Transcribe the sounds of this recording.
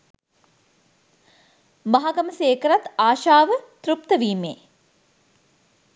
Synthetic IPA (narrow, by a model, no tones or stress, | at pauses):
maɦaɡɐməseːkəɾat̪aːʃaːʋət̪ɾup̚t̪əʋiːmeː